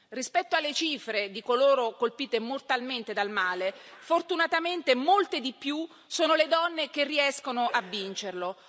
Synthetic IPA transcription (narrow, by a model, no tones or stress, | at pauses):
rispɛt̪ːoalːet͡ʃiːfɾed̪ikoloːɾokolpiːt̪emort̪alment̪ed̪almaːlefort̪unat̪ament̪emolt̪ed̪ipju | soːnoled̪ɔnːekerːiɛskonoʔavːint͡ʃerlo